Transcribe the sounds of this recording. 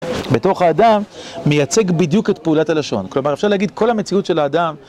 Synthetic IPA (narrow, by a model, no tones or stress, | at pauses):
be̞to̞χaːdamːejat͡se̞ɡbid̪juketpeulatalaʃo̞̰nklo̞maʁefʃaʁleaɡid̪̚ko̞lamet͡siutʃe̞laːdam